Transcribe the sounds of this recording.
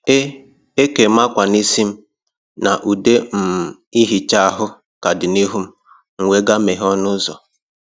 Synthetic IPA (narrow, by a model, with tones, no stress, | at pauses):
e˦ | e˦ke˨ma˦kʷa˨ni˦si˦m̩˦ | na˨ʔu˨de˦m̩˨i˦ɦi˨t͡ʃa˦a˦˨ɦʊ˦ | ka˨dɪ˨ni˦ɦu˦m̩˦ | ŋ̩˨ŋʷe˦ɡa˦me˨ɦɔ˦nʊ˦zɔ̰˨